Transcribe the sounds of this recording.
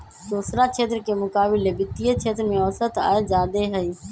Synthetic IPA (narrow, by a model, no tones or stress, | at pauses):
soːsɾat͡ʃʰeːt̪ɾəkemʊkaːbɪlebɪt̪ijət͡ʃʰeːt̪ɾəmẽɔʋsət̪a̰ːed͡ʒaːd̪eɦəi